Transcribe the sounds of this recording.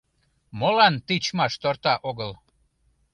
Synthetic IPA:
molɑnt̪it͡ɕmɑʃt̪ort̪ɑʔoɣəl

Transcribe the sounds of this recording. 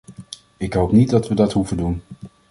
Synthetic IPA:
ɪkɦowpnit̚dɑtʋədɑtɦuvədun

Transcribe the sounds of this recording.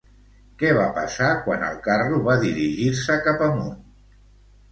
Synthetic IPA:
kɛβ̞apəsakwa̰nə̰lˠkaruβaðiɾiʒiɾsəkapəmun

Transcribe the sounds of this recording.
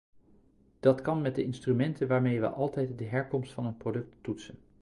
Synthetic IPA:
d̥ɑtkɑnmɛt̚dəɪnstrymɛntənʋaːɹmejʋə̰ʔɑlˠtɛjtdəɦɛɹkɔmstfɑnɦənprodɵk̚tːutsən

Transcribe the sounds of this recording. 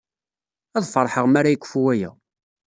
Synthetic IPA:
æðˤfəɾˤħəʁmaɾajəkʷːə̥fuwæjæ̰

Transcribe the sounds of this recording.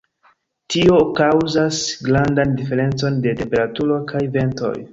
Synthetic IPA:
tio̞kawzasɡɾandandife̞ɾe̞nt͡so̞nde̞tempe̞ɾatuɾo̞kʰajve̞nto̞̰j

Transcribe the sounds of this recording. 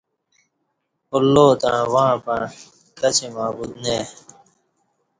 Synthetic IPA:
ulːoːt̪ãːwãːpɐɳ | kɐt͡ɕʰimaːbud̪̚neː

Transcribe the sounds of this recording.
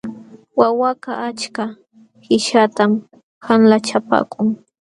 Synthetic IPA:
wawakaʔat͡ʃka | hɪʃat̪am | hanlat͡ʃapa̰ːkʰʼʊŋ

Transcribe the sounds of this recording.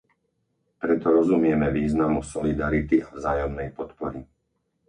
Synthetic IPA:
pɾɛt̪ɔɾɔzumɪɛmɛʋiːznamusɔlid̪aɾit̪iavzaːjɔmnɛjpɔt̪pɔɾi

